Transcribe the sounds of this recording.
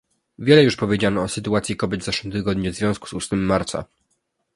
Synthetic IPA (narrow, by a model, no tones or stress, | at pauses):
vʲjɛlɛjuʂpɔvʲjed͡ʑanɔːsɘt̪uat̪sjikɔbʲjɛd̪vzafʂwɘmt̪ɘɡɔd̪ɲɛvzvʲjɔ̃sku̥susmɘmːaɾt̪sa̰